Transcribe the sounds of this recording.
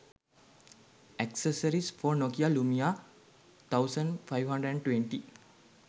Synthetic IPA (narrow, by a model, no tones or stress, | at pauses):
æksəsəɾisfoɾnokijalumia | t̪ʰawsəɳfajʋɦãɳɖɾəɛ̃ɳʈwẽɳʈi